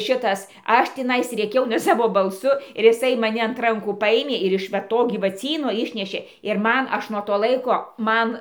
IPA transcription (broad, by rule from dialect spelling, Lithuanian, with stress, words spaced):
ˈʃʲɪtɐs ˈɐʃ ˈtʲɪnɐɪs rʲeːˈkʲɛʊ nʲɛ sɐˈʋoː bɐlˠˈsʊ ɪr ɪˈsɐɪ mɐˈnʲɪ ɐnt ˈrɐŋkuː ˈpɑːjeːmʲeː ɪr ɪʃ ʋɐ ˈtoː ɡʲiːʋɐˈt͡sʲiːnoː ˈɪʃʲnʲɛʃʲeː ɪr ˈmɐn ˈɐʃ nuɔ toː ˈlˠɐɪkoː ˈmɐn